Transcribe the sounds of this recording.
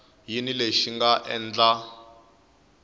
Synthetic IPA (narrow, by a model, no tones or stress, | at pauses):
jinileʃiŋɡaʔɛ̰nd͡ɮa